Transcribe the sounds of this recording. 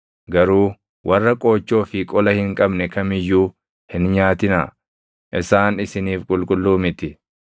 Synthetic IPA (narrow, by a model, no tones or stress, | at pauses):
ɡɐɾuː | wʔɐrːɐkʼo̞ːt͡ʃːo̞ːfɪkʼɔlɐhɪŋkʼɐbnɛkɐmɪjːuː | hɪnɲaːt̪ɪna̰ː | ʔɪsaːnɪsɪniːfkʼʊlkʼʊlːuːmɪt̪ɪ